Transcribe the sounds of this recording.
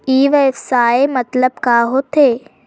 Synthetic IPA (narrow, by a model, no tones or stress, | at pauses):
iːʋəɪfsaːemɐt̪ləbkaːɦot̪ʰeː